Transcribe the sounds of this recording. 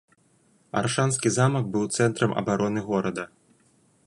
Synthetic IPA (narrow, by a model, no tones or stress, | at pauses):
a̰rʂanskʲizamɐk̚bɨwt̪sɛnt̪ɾɐmʔɐ̰baɾɔnɨɣɔɾɐd̪ɐ